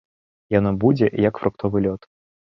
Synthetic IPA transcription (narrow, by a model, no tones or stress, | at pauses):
janɔbud͡zʲɛjɐkfɾʔʊkt̪ʰɔvɨlʲɔt̪